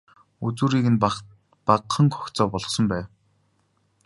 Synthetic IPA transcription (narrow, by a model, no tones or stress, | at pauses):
ut͡suːɾiːkɘ̆n | paqχə̆ŋkɔ̥xʲt͡sɔːpɔɮɞ̆χsɞ̆mpæːw